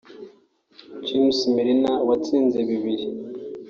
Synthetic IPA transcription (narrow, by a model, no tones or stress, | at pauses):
t͡ʃimsmiɾinawat͡siːnzeβiβiɾi